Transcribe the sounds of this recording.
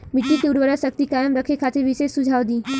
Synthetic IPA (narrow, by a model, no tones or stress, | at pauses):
mɪʈːikeːɖʋəɾasək̚t̪ikaːjəmɾəkʰekʰat̪eɾʋɪʃesːud͡ʒʱaːʋd̪ĩː